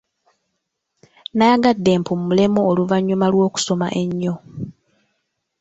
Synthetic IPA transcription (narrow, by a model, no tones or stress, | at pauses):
najaɡadːe̞ːmpomumule̞moːluvaɲːumalwo̞ːku̥so̞ma̰ʔe̞ɲːo̞